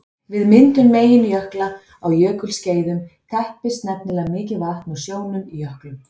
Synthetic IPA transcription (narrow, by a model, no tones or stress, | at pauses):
vɪðmɪnt̪ʏmːeːjɪnʏjœhkla | awjœːkʏlsceːjðʏmk̪ʰɛhpɪst̪nɛp̚nɪlamɪːcɪvaht̪nusjoːwnʏmijœhklʏm